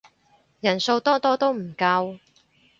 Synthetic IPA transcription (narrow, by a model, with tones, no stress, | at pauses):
jɐ˨˩nso˧wt̪ɔː˥t̪ɔː˥t̪o˥wm̩˨˩kɐ˧w